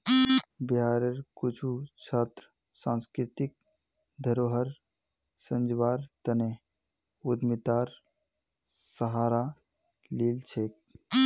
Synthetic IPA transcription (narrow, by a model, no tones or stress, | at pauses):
bɦaːɾəɾkut͡ʃʰut͡ʃʰaːt̪ɾ | sãːnskɾɪt̪ik̚d̪ʱəɾoːɦəɾ | sə̃nd͡ʒʋaːɾt̪əne | ud̪mit̪aːɾ | səɦaːɾaliːlt͡ʃʰeːk